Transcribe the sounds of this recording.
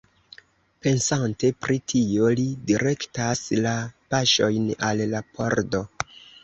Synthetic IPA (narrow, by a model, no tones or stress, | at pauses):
pe̞nsante̞pɾʔitʰio̞lidiɾe̞ktaslapaʃo̞jnalːapʰoɾdo̞